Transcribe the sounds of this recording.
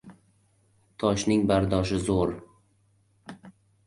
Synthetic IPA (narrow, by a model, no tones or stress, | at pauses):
t̪ʰɒʃnɪŋbaɾd̪ɒʃɪzoɾ